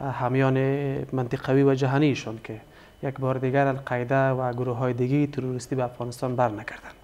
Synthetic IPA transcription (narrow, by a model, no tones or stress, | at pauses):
hamjɔnɪmant̪ɪqawiwad͡ʒaɦaniːʃɔnkʰɪ | jakbɔɾɪd̪ɪɡaɾalqʰajd̪awaɡʊɾoɦɔjɪd̪ɪɡejːt̪ʰɪɾuɾɪst̪ibaːfɣɔnɪst̪ɔnbaɾnaɡaɾd̪an